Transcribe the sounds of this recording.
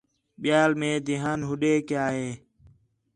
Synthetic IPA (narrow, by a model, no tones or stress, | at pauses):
ɓɪjaːlmẽːd̪ɪɦaːnɦʊɗeːkjaːɦeː